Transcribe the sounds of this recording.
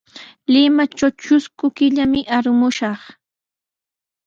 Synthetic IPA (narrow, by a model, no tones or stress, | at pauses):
lɪmat͡ʃawt͡ʃʊskʊkɪʎamɪʔaɾʊmʊʃɑχ